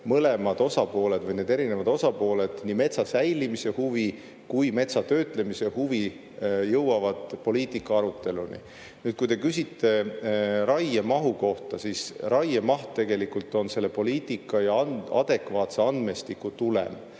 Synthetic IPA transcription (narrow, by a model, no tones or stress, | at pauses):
mɤle̞mɑd̪̥o̞sɑpo̞ːle̞d̪vɤjne̞ːd̪e̞ɾine̞vɑd̪o̞sɑpo̞ːle̞d̪̥nime̞t̪sɑsæjlimise̞huvi | kujme̞t̪sɑt̪ø̞ːt̪ˑle̞mise̞huvi | jɤwɑvɑd̪̥po̞liːt̪ˑikːˑɑɑɾut̪ːˑe̞lunḭ | nyːd̪̥̚kujt̪e̞kysʲit̪ˑːe̞rɑjemɑɦuko̞ht̪ɑsisrɑjemɑht̪t̪ːe̞ɡ̥e̞likult̪ːˑo̞nse̞lːe̞po̞liːt̪ˑikːˑɑjɑɑnɑ̰d̪̥e̞kvɑːt̪se̞ɑnd̪me̞st̪ikːˑut̪ulḛm